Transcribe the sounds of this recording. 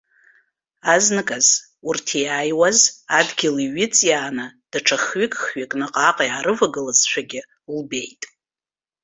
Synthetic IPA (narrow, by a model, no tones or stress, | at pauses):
aznɨkʼaz | urtʰiaːjwazadɡʲɪliɥɪt͡sʼjaːnɨd̥aʈ͡ʂʰaχɥɪkʼχɥɪkʼnɨqʼaqʼjaɾɨvaɡɨlazʃʷʰaɡʲɪ | lbe̞jtʼ